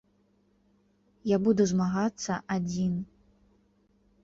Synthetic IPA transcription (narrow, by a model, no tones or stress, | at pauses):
jabud̪uzmaɣat̪sːɐʔad͡zʲin